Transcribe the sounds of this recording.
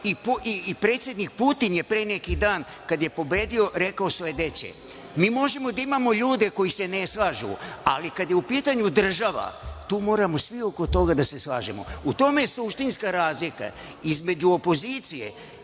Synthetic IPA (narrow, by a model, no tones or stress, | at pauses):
ipuʔipɾe̞ːt̪sjed̪nik̚put̪inje̞pɾene̞kid̪aːn | kad̪je̞po̞be̞ːd̪io̞ɾe̞kaosoe̞d̪e̞t͡ɕḛ | miːmo̞ʒe̞mo̞d̪aimamo̞ʎuːd̪e̞ko̞jise̞ne̞slaːʒṵalikad̪je̞upiːt̪aɲud̪r̩ʒaʋa̰t̪uːmo̞ːɾamo̞sʋio̞ko̞t̪o̞ɡad̪ase̞slaːʒemo̰ut̪o̞mejesˠuʃt̪inskaɾaːzlika̰ | izme̞d͡ʑuo̞po̞zit̪sije̞̰